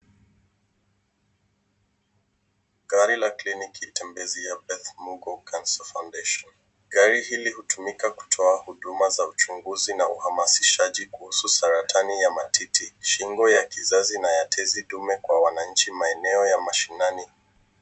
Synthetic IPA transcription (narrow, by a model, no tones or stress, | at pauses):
ɡaɾilaklinikitɛmbɛziabɛθmuɡɔkʰansɔfawndeʃɔn | ɡaɾihilihutumikaku̥tʰɔahuɗumazaut͡ʃuŋɡuzinauhamasiʃaʄikuhususaɾatʰanijamatʰitʰiʃiŋɡɔjakizazinajatʰɛziɗumɛkwawanaɲ̩t͡ʃimaɛnɛɔjamaʃinani